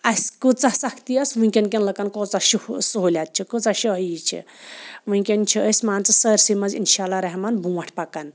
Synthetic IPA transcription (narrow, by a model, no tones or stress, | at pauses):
ɐskut͡sasɐkʰt̪iɐsʋũŋkʲɐnkʲɐnlɐkɐnkoːt͡saʃisuɦolʲat̪̚t͡ʃʰikut͡saʃiɦɐjit͡ʃʰḭʋũkʲɐnt͡ʃʰiəsʲmaːnt͡sɨsəɾsimɐzḭnʃaːlːaɾɐɦmɐnbũːwɐʈʰpɐkɐn